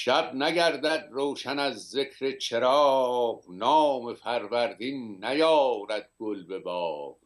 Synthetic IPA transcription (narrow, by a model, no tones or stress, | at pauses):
ʃæbnæɡæɾd̪æd̪roːʃænæzːekʰɾet͡ʃʰeɾɒːʁnɒːmefæɾvæɾd̪innæjɒːɾæd̪̚ɡ̥olbe̞bɒːv